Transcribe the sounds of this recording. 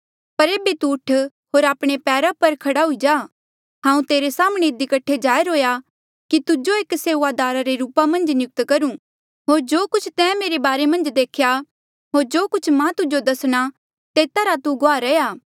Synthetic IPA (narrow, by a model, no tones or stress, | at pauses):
pɐɾeːbet̪uːʈʰ | ɦoːɾaːpɽ̃epɛːɾapɐɾkʰɐɽaɦʊid͡ʒaː | ɦãːũt̪eːɾesaːmɽ̃eɪd̪ikɐʈʰːed͡ʒaːjɾoːja | kit̪ʊd͡ʒoeːkseːʋaːd̪aːɾaɾeɾuːpamɐ̃nd͡ʒnjʊk̚t̪kɐɾũ | ɦoːɾd͡ʒoːkʊt͡ʃʰt̪ɛ̃ːmeːɾebaːɾemɐ̃nd͡ʒd̪eːkʰja | ɦoːɾd͡ʒoːkʊt͡ʃʰmãt̪ʊd͡ʒod̪ɐsɽ̃a | t̪eːt̪aɾat̪uɡoaːɾɛjaː